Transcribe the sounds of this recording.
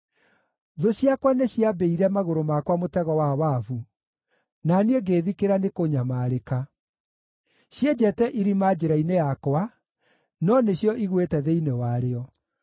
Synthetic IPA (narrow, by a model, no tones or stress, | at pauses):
ðoɕjakwaneɕjabeiɾɛmaɣoɾomakwamotɛɣɔwawavu | nanieɡeːðikeɾanekoɲamaːɾeka | ɕjed͡ʑɛtɛʔiɾimad͡ʑeɾainejakwa | nɔneɕjɔʔiɣwetɛðeinewaɾeɔ